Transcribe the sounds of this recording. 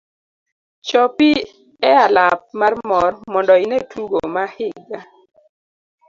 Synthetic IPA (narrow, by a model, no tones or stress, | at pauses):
t͡ʃɔpi | ɛalap̚marmɔrmɔndɔinetʰuɡomahɪɡa